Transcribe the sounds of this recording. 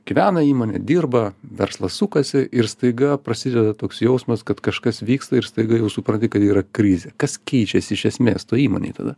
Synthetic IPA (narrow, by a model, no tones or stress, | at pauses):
ɡ̥ʲɪʋʲæːnɐiːmoːnʲɛ̰d̪ʲirbɐʋʲɛrslˠɐssukɐsʲɪʔɪɾst̪ɐɪɡɐpɾɐsʲɪd̪ʲɛd̪ɐt̪oːksjɛʊsmɐskɐt̪kɐʃkɐsʋʲiːkst̪ɐɪɾst̪ɐɪɡɐjɛʊsʊpɾɐnʲt̪ʲɪkɐt̪iːɾɐkɾʲɪzʲɛkɐskʲɛɪt͡ʃʲɛsʲɪɪʃʲɛsʲmʲeːst̪oːiːmo̰ːnʲḛːt̪ɐ̰d̪ɐ